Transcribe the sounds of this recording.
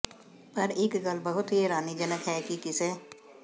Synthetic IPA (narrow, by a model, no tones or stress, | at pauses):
pɐɾɪkɡəlbəɦʊt̪ɦiɾaːnid͡ʒənəkɦɛkikɪseː